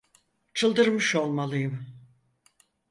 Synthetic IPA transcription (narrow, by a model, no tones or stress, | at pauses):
t͡ʃʰɯlˠd̪ɯɾmɯʃo̞lˠmalˠɯjɯm